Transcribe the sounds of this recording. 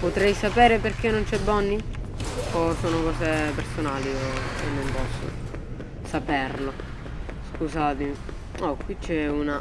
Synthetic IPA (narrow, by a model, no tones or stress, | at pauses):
pot̪ɾɛjsapɛːɾeperk̟enːont͡ʃɛbːɔnːi | osoːnokɔːsepersonaːlioenːompɔsːo̰ | sapɛrlo | skusaːt̪emi | ɔkwit͡ʃːɛuna